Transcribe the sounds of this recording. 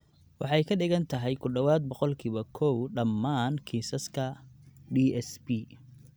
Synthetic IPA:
wɑħɑjkʰɐɖɪɣɐnt̪ʰɐɦɛjkʰʊɖɔwaːd̪̚bɔqɔlkʰiːβɐkʰɔwɖɐmːaːnkʰiːsɐskʰɐɖiːɛsbi

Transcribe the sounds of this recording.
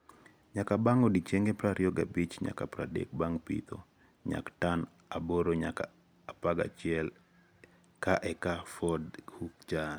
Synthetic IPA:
ɲakabaŋɔdit͡ʃeŋɡepɾaɾjɔɡa̰bit͡ʃɲa̰kapɾadḛk̚baŋpḭt̪ɔ̰ | ɲa̰ktan | aboɾoɲa̰kaː | paɡa̰t͡ʃɪɛl | kaʔɛkafɔdhukt͡ʃan

